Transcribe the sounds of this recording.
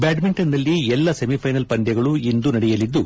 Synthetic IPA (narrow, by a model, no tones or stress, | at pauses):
baːɖmiɳʈɐnd̪ɐlːiɛlːɐsemipʰɐjnɐlpɐnd̪jɐɡɐɭuind̪unɐɽɛjɐlid̪ːu